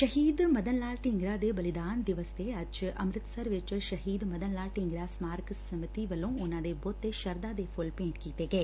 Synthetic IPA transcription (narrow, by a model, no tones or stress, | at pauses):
ʃəɦiːd̪məd̪ənlaːlʈɪŋɡɾaːd̪eːbəlɪd̪aːnd̪ɪʋəsd̪eːəd͡ʒə̰mɾɪt̪səɾʋɪt͡ʃʃəɦiːd̪məd̪ənlaːlʈɪŋɡɾaːsmaːɾksəmɪt̪iːʋəlõːʊnãːd̪eːbɔːt̪ːeːʃəɾd̪aːd̪eːpʰʊlpẽːɳʈkiːt̪eːɡɛeː